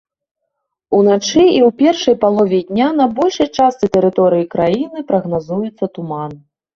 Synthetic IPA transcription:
unat͡ʂɨiwpʲɛrʂɐjpalˠɔvʲɛd̪ʲnʲanɐbɔlʲʂɐjt͡ʂast̪sɨt̪ɛɾɨt̪ɔɾɨjikɾajinɨpɾɐɣnazujɛt̪sːɐt̪uman

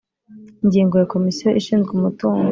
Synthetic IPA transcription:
iɲɟiːŋɡojako̞misijoʔiʃiːnzɡumutuːŋɡ

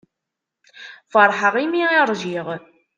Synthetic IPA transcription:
fəɾˤħəʁimiiɾˤʒiʁ

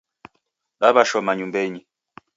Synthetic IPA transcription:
ɓabaʃɔmaɲumbɛɲi

